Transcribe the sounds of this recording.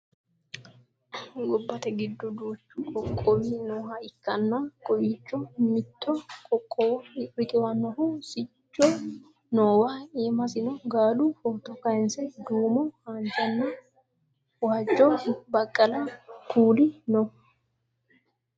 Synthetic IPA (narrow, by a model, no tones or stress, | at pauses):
ɡɔbːɐt̪ɛɡɪd̪ːɔd̪uːt͡ʃːʊkʼɔkʼːɔwinoːhaɪkːɐnːɐkʼɔjiːt͡ʃʼːɔmɪt̪ːɔkʼɔkʼːɔwrɪkʼɪwɐnːɔhʊsɪt͡ʃːɔ | noːwaeːmɐsɪnɔɡaːlufɔt̪ɔkɐjnsɛd̪uːmɔhaːnt͡ʃʼːɐnːɐ | waːd͡ʒːɔbɐkʼːɐlɐkʰuːlɪnɔ